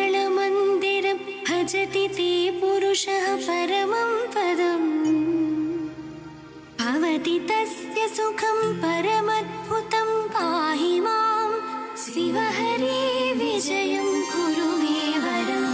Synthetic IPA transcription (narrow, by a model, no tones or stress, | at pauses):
ɭɐmɐnd̪iɾɐ | bʱɐd͡ʒɐt̪it̪eːpuɾuʂɐɦɐpɐɾɐmɐmpɐd̪ɐm | bʱɐʋɐt̪it̪ɐsjɐsukʰɐmpɐɾɐmɐd̪̚bʱut̪ɐmkaːɦiʋaːm | siʋɐɦɐɾiːʋid͡ʒɐjɐmkuɾuʋeːʋɐɾɐ